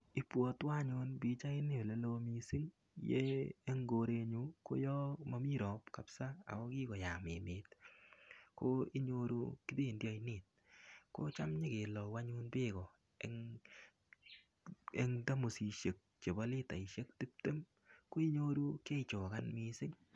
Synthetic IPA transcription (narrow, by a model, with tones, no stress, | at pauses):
i˨˦pwɔ˨twa˦ɲʊ˧nbi˨˦t͡ʃa˦ɪ˦nɪ˦o˨le˨˦lo˦mi˨sɪ˦ŋ | jḛː˦ŋɡo˨ɾe˨˧ɲu˦ko̰˦jɔ˦ma˦mi˦ɾɔ˨pka˨psa˦a̰˨mɔ˦kɪ˦ɡɔ˨ja˨mɪ˨nɪ˨˦t | ko˦i˦ɲo˧ɾṵ˦kɪ˦de˦˨ndjɔ˦i˦nɪ˨t̚ko̰˦t͡ʃa˦mɲe˦ke˨lɔ˨wa˦ɲu˦nbɪ˦ɡɔ˨ | ɛŋ | e˨ŋda˦mu˨si˨ʃe˨k̚t͡ʃe˨bɔ˦lɪ˦ta˨ɪ˨ʃe˦kti˦p̚te˦m | ko˦i˦ɲo˦ɾu˦ke˦t͡ʃɔ˨ka˦nmi˨sɪ˦ŋ